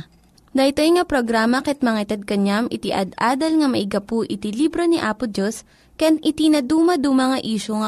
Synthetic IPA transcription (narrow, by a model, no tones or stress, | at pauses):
d̪ɐɪt̪ojŋɐpɾoɡɾaːmɐkɛt̪̚mɐŋɐɪt̪ɐd̪̚kɐɲamʔɪt̪iʔɐ̰d̪ʔaːd̪ɐlŋɐmɐʔɪɡɐpʊʔɪt̪ilibɾoniʔaːpʊd͡ʒos | kanʔɪt̪inɐd̪uːmɐd̪ʊmɐŋaʔiːʃoŋɐ